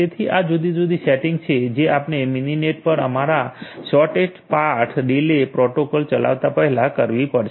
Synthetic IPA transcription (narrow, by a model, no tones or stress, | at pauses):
et̪ʰiʔad͡ʒud̪id͡ʒud̪iseʈiŋɡt͡ʃʰed͡ʒeapneminineʈ̚pəɾə̰maɾaʃɔʈeʈpaɾʈʰɖilepɾɔʈokɔlt͡ʃəla̰ʋt̪apəɦɛlakəɾʋipəɾʰ